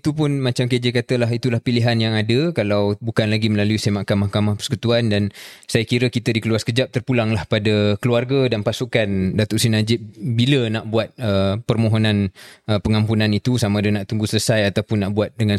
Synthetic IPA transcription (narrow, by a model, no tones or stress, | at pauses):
it̪upʊnmat͡ʃamkəd͡ʒekat̪əlaɦit̪ulahpiliɦanjaŋadəkalawbukanlaɡiməlaluisemaʔkamahkamahpərsəkut̪uandansajakiɾəkit̪ədikəluaskəd͡ʒap̚t̪ərpulaŋlahpadəkəluarɡədanpasukandat̪ɔʔsinad͡ʒɪt̪̚bilənaʔbuat̪̚əpərmoɦonãnəpəŋampunãnit̪usamãdənaʔt̪uŋɡusələsajat̪awpʊnːaʔbuat̪̚dəŋan